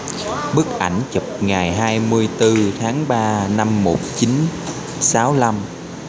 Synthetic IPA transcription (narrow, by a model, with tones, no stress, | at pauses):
ɓɨ˦˥k̚ʔa˧˩jŋ̟t͡ɕə˨˩p̚ŋaː˨˩jɦaː˧jmɨ˧əjt̪ɨ˧t̪ʰaː˨˦ŋɓaː˧na˧mːo˨˩t̚t͡ɕi˨˦n | saː˨˦wla˧m